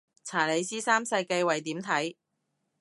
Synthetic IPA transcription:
t͡sʰaː˨˩le˨˧jsiː˥saː˥msɐ˧jke˧jwɐ˨jt̪iː˨˥mt̪ʰɐ˨˥j

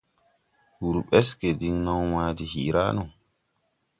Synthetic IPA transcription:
hu˨ɾɓɛ˦ske˨di˦ŋnɔ˦ŋwaː˦di˨hḭ˨ɾa̰˦nu˨ŋ

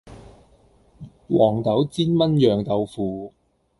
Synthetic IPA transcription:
wɔː˨˩ŋt̪ɐ˨˥wt͡siː˥nmɐ˥njœː˨ŋt̪ɐ˧wfuː˨˧

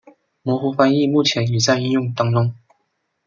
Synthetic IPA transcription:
mwɔ˧˥xu˧˥fa˧ni˥˧mu˥˩t͡ɕʰjɛ˧˦ny˨˩t͡sa˥˧ɪi˥˧njʊ˥˩ŋt̪ɑ˥ŋʈ͡ʂʊ˥ŋ

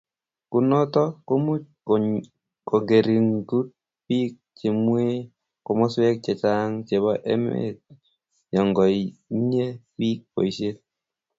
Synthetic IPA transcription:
ku˨nɔ˦tɔ˦ko˦mu˦ | ko˨ŋɡe˨ɾi˨ŋɡu˦t̚ | pi˦k̚t͡ʃe˨mwe˦ | kɔ˨mɔ˦swɛ˦k̚t͡ʃe˨t͡ʃa˦ŋt͡ʃe˨βɔ˦ʔɛ̰˦m̰ḛ˦t | jɔ˨ŋɡɔ˨jne˦wi˦k̚po̰˨i˨ʃe˦t̚

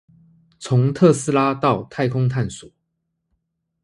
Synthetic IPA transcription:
t͡sʰʊ˨˦ŋt̪ʰɤ˥˨sɹ̩˥˧la˦t̪ɑ˥˨ʊt̪ʰa˥˧ɪkʰʊ˦ŋt̪ʰa˥˩nsu˨˩˦

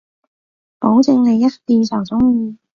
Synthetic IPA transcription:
po˨˧˥wt͡sɪ˧ŋlɐ˨jːɐ˥t̚t̪iː˨˧nsʰœː˨˩t͡sʊ˥ŋjiː˧

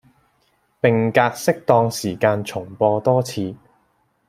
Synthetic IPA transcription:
pɪ˨ŋkaː˧k̚sɪ˥k̚t̪ɔː˧ŋsiː˨˩kaː˧nt͡sʰʊ˨˩ŋpɔː˧t̪ɔː˥t͡sʰiː˧

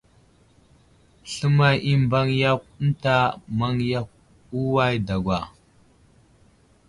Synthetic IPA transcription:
ɬə˦ma˦˨jʔi˦m˨ba˦ŋja˦k̚n̩˦ta˦ma˦ŋja˦k̚ | u˦wa˦jda˨ɡwa˨

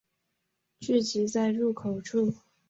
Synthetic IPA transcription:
t͡ɕy˥˩t͡ɕi˧˥t͡sa˥˧ɪɻu˥˩kʰo˨˩ʊʈ͡ʂʰu˥˩

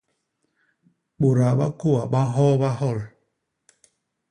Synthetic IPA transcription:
ɓo˨ɾa˨ɓa̰˦ko˦˨a˨ɓa˦ɦɔ˦ɓa˦hɔ˦˨l

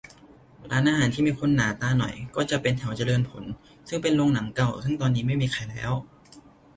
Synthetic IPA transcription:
ɾaː˧˥nʔaː˧ɦaː˨˦nt̪ʰiː˥˩miː˧˩kʰo˧nːaː˩˦t̪aː˧nɔ˨˩jkɔː˥˩t͡ɕa˨˩ʔpe˧nt̪ʰɛ˨˩˦wt͡ɕa˧lɤː˧npʰo˩˦n | sɯ˥˩ŋpe˧nlo˧ŋna˩˦ŋka˧˩wsɯ˥˩ŋt̪ɔː˧nːiː˦˥ma˥˩jmiː˧xʰa˧˩jlɛ̰ː˦˥w

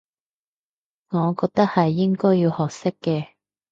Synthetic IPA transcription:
ŋɔː˨˧kɔː˧k̚t̪ɐ˥k̚hɐ˨jːɪ˥ŋkɔː˥jːiː˧whɔː˨k̚sɪ˥kːɛː˧

